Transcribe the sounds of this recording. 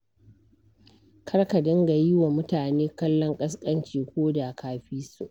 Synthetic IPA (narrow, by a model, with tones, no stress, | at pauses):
kʰɐ˦ɽka˨dɪ˦ŋɡa˨ji˦wa˨mʊ˦taː˨neː˦kɐ˦lːɔ˦ŋkʼɐ˦skʼɐ˦nt͡ʃiː˨kʷoː˦da˨kʰaː˦ɸiː˦su˨ʔ